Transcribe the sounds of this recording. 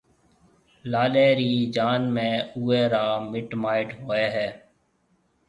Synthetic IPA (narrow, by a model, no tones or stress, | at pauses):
laːleːɾiːd͡ʒaːnmẽːuːeːɾaːmɪʈmaːɪʈɦoːeːɦɛː